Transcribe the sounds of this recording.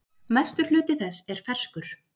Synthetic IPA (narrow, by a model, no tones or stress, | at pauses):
majst̪ʏ̥lʏːt̪ɪθɛsːɛɾ̥fɛr̥skʏɾ̥